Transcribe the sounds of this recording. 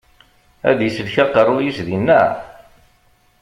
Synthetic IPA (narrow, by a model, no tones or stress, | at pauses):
æ̰ðjisəlçaqərˤːujisðinːæ̰